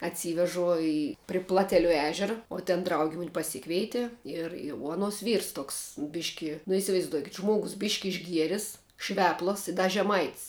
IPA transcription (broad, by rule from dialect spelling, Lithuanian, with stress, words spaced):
ɐtʲˈsʲiːʋʲɛʒʊ ˈɪ pʲrʲɪ ˈplˠɑːtʲɛlʲʊ ˈæːʒʲɛrɐ oː tʲɛn ˈdrɐʊɡʲɪ ˈmʊnʲ pɐˈsʲɪkʋʲɛɪtʲɪ ˈɪr ɪ uɔ ɐˈnuɔs ˈʋʲiːrs ˈtoːks ˈbʲɪʃʲkʲɪ nʊ ɪsʲɪʋɐɪzˈduɔkʲɪt ˈʒmuɔɡʊs ˈbʲɪʃʲkʲɪ ɪʒʲˈɡʲiɛrʲɪs ˈʃʲʋʲæːplˠɐs ɪ ˈdɐ ʒʲɛˈmɐɪtʲsʲ